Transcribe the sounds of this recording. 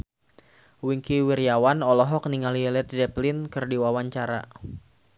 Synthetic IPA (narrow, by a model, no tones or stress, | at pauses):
wiŋkiwirjawanɔlɔɦɔk̚niŋaliɛlɛt̪̚zɛplinkɨrdiwawaɲt͡ʃaɾa̰